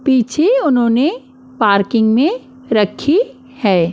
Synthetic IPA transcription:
piːt͡ʃʰeʊnɦõːne | paːɾkɪ̃ŋɡmẽ | ɾɐkʰi | hɛː

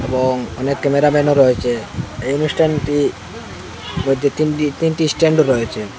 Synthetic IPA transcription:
eboŋɔnekːɛmeɾamɛnoɾɔet͡ɕʰeejonusʈʰanʈi | mojd̪ʱet̪inʈit̪inʈisʈeɳɖoɾɔet͡ɕʰe

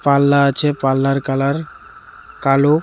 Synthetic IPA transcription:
palːaat͡ɕʰepalːaɾkalaɾ | kalo

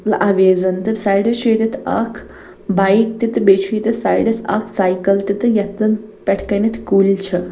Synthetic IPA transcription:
lɐʔaʋeːzɐnt̪ɨbsaːjɖɐt͡ʃʰeːt̪it̪ʰa̰ːkʰ | bajkt̪it̪ɨbeːt͡ʃʰiːt̪isa̰ːjɖɐsa̰ːkʰsaːjkɐlt̪it̪ɨjɐt̪ɐn | pʲɛʈʰkɐnɐt̪ʰkuːlʲt͡ʃʰɐ

